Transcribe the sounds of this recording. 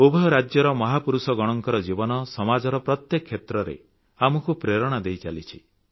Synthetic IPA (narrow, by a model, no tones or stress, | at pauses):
obʱɾad͡ʒjɔɾɔmɔɦapuɾusɔɡɔɽ̃ɔŋkɔɾɔd͡ʒibɔnɔsɔmad͡ʒɔɾɔpɾɔt̪jekʰːet̪ɾɔɾḛ | amɔkupɾeɾɔɽ̃ad̪ejt͡ʃalit͡ʃʰi